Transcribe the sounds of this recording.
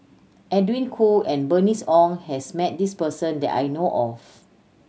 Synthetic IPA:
ʔɛdwĩnkʰuɛ̃nbənisɔ̃ŋhɛsmɛt̚dispəsə̃ndɛ̰ta̰jnoʔɔf

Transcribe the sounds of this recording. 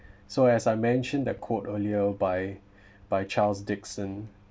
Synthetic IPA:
soɛsaɪmɛ̃nʃə̃ndɛt̚kʰotəliəbaj | b̥ajt͡ʃʰalsdɪksə̃n

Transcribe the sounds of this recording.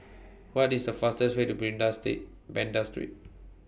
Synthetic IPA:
wɔtisdəfastəswetubɹĩŋdastḛt̚ | bɛ̃ndastɹḭt̚

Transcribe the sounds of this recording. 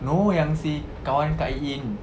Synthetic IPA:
nujaŋsi | kankaʔiʔin

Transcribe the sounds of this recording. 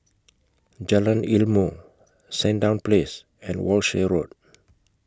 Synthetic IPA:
d͡ʒalãnilmo | sɛ̃ndãw̃nples | ɛ̃nwɔlʃeɹod̚

